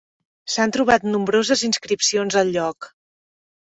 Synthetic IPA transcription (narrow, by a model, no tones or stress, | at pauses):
sant̪ɾuβ̞at̪numbɾozəzinskɾipsionzəlˠʎɔk